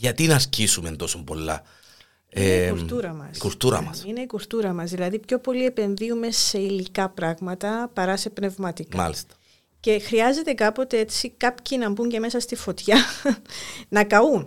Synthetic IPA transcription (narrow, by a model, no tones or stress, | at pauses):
ʝɐt̪inɐɾcisumendt̪o̞sombo̞̰lːɐ̰ | ieneikuɾt̪uɾɐmɐsikuɾt̪uɾɐ̰mɐ̰sine̞ikuɾt̪uɾɐmɐzðilɐðipço̞po̞lie̞pe̞nðiume̞se̞ilikɐpɾɐɣmɐt̪ɐpɐɾɐse̞pne̞vmɐt̪ikmmɐ̰list̪ɐ̥ | ce̞xɾiɐze̞t̪e̞kɐpo̞t̪e̞et͡sikɐpçinɐmbuɲɟe̞me̞sɐst̪ifo̞t̪çɐ | nɐkɐun